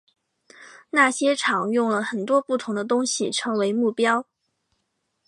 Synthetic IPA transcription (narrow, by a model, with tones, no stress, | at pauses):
na˥˩ɕjɛ˥ʈ͡ʂʰɑ˨˩˦ŋjʊ˥˩ŋlə˩xə˨˩nt̪wɔ˥pu˥˩t̪ʰʊ˧˥ŋd̪ə˧t̪ʊ˥ŋɕi˨ʈ͡ʂʰɤ˧˥ŋwe˧˥ɪmu˥˩pjɑ˥ʊ